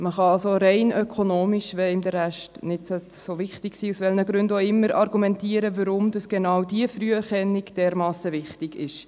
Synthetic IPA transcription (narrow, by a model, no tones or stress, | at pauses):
məχɑɑlsoɾɛɪnʔœkʰonoːmiʃʋɛmd̪əɾæʃtnɪdso | sovɪχtɪksiːusʋɛlnəɡɾʉndoːɪmːəɾʔɑɾɡumɛntiːəɾəvəɾʊmd̥ɑsɡ̥enɑwdiəfryəɛɾχɛnːɪɡd̥ɛːɾmɑːsəvɪχtɪɡɪʃ